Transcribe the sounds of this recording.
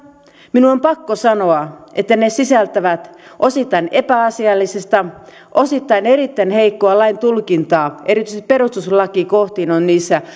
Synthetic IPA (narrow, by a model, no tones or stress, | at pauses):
minuompɑkːosɑnoɑʔet̪ːænesisælt̪æʋæt̪ʔosit̪ːɑinepæɑsiɑlːisest̪ɑ | ʔosit̪ːɑineɾit̪ːænheikːoɑlɑint̪ulkint̪ɑːe̞ɾit̪yiseĭ̥perust̪uslɑkikoht̪iːnonniːsːæ